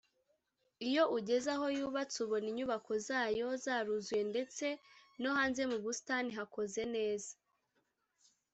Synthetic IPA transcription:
ijo̞ʔuɟe̞zaɦo̞juːβat͡suβo̞niɲuβako̞zaːjo̞zaɾuzwe̞nde̞t͡se̞no̞haːnze̞muβustaniɦako̞ze̞ne̞ːzḁ

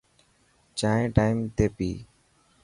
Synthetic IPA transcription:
t͡ʃaːẽːʈaːɪmt̪eːpiː

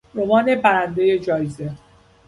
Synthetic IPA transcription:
ɾomɒːne̞bæɾænd̪eje̞d͡ʒɒːjeze

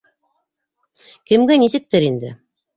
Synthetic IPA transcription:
kɘ̆mɡænisɘ̆k̚t̪ɘɾind̪ɘ̰

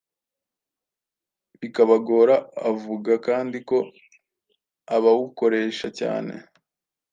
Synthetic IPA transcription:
βikaβaɡoːɾaːvuɡakaːndiko̞ | aβawuko̞ɾe̞ːʃaca̰ːne̞̰

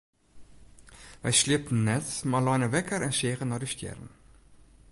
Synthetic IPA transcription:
vɛ̰jsliəpənːɛtmɑːlɑjnəvɛkəɾɛnseːχənːɑːdistɛ̰rn

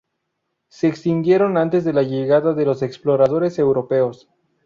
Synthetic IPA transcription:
se̞ːkst̪ind̪je̞ɾo̞nant̪e̞zðe̞laʝe̞ɣaðaðe̞lo̞se̞ksplo̞ɾað̞o̞ɾe̞se̞wɾo̞pe̞o̞s

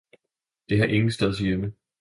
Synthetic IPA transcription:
d̥e̝ɦɑ̈ʔe̝ŋn̩sd̥eðˠsjemə

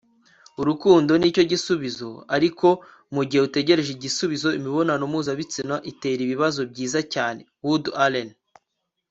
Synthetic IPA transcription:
uɾukuːndo̞niːco̞ɟisuβizo̞aɾiko̞ | muɟihe̞ute̞ɟe̞ɾe̞ʒeɟisuβizo̞imiβo̞nanomuːzaβit͡sinaʔite̞ːɾiβiβazo̞b̚ɟiːzacaːne̞wudalen

